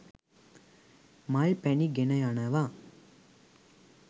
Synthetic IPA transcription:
mɐɭpɛniɡenɐjanɐʋa

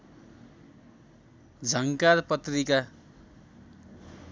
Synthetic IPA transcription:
d͡zʱʌŋkarpʌt̪rika

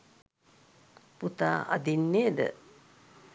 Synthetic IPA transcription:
put̪a̰ːʔa̰d̪inːeːd̪ə̰

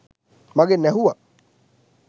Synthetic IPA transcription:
maɡenɛɦuwa

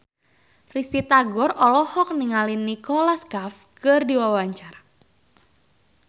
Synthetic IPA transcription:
risit̪aɡɔrɔlɔhɔk̚niŋalinːikɔlaskafkɨrdiwawaɲt͡ʃara

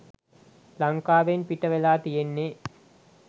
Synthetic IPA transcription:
lɐŋkaːʋenpiʈːɐʋɛlaːt̪ijenːe

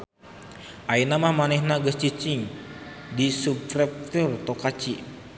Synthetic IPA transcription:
ʔainamahmanɛhnaɡəst͡ʃit͡ʃiŋ | disupɾɛp̚t̪urt̪okat͡ʃi

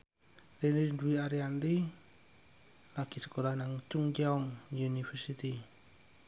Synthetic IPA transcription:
ɾininduiaɾiand̪i | laɡ̥i̤sə̥kolahnaŋt͡ʃuŋd͡ʒaɔŋjunifərsit̪i

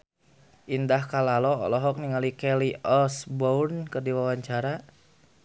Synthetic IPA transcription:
ʔindahkalalɔɔ̰lɔɦɔk̚niŋalikɛliɔsbɔrnkɨrdiwawaɲt͡ʃaɾa

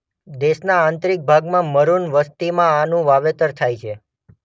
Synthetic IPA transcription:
d̪eʃnaːnt̪ɾik̚bʱaɡmãməɾunʋəst̪imãanũʋaʋet̪əɾt̪ʰajt͡ʃʰe

